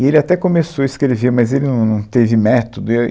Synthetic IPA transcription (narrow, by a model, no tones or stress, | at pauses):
ɪelɪat̪ɛkomesowɐiskɾeleveɾmɐzelɪnɐ̃w̃nɐ̃w̃t̪evɪmɛt̪od̪ʊ